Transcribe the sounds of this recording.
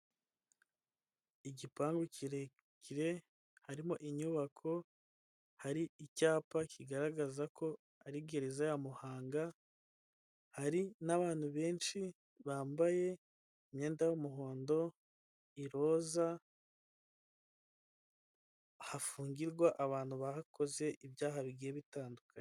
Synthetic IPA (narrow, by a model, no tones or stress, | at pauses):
iɟipaːŋɡuciɾe | ciɾe̞ | haɾimoʔiɲuβakʰo̞ | haɾiicaːpakʰiɡaɾaɡazako̞ | aɾiɡe̞ɾezajamuhaːŋɡa | haɾinaβaːn̥huβe̞ːnʃi | βaːmbaje̞ | imɲe̞ːndajomuɦo̞ːndo̞ | iɾo̞ːza | hafuːŋɡiɾɡwaʔaβaːn̥huβahakʰo̞ze̞ʔiβjaːɦaβiɡijeβitaːndukʰaɲe